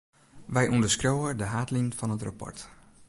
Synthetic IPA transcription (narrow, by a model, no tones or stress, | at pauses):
ʋɛjʔundəskrowədəɦaːtlinfɔnətra̰pɔ̰ɹt